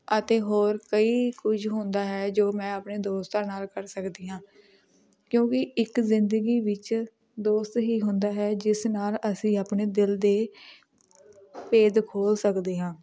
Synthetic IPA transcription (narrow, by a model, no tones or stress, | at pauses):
ət̪eːɦoːɾkəiːkʊd͡ʒʰɦʊnd̪aːɦɛːd͡ʒoːmɛ̃ːaːpneːd̪oːst̪ãːnaːlkəɾsəkd̪iːɦãː | kjõːkɪɪkzɪnd̪əɡiːʋɪt͡ʃ | d̪oːst̪ɦiːɦʊ̃nd̪aːɦɛːd͡ʒɪsnaːləsĩːaːpɳeːd̪ɪld̪eː | peːd̪kʰoːlsəkd̪eːɦãː